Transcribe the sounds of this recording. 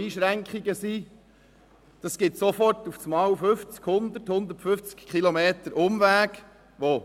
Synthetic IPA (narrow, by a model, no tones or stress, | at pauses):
iːʃɾæŋkχiɡəsi | d̪̥ɑsɡ̥ɪt̪sofɔrtufsmɑːwfʏft͡skhʊnd̪əthʊnd̪ətfʏft͡skkʰχilomeːtəɾʔʊmʋæːk | ʋo